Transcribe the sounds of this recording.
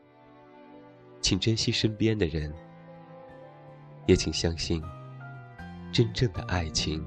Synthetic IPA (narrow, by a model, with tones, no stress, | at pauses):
t͡ɕʰi˨˩ŋʈ͡ʂə˥nɕi˥ʂə˥npjɛ˥nd̪ə˨ɻə˧˥n | jɛ˧˥t͡ɕʰi˨˩ŋɕjɑ˥ŋɕi˥˩n | ʈ͡ʂə˥nʈ͡ʂɤ˥˩ŋd̪ə˩ʔa˥˩ɪt͡ɕʰi˧˥ŋ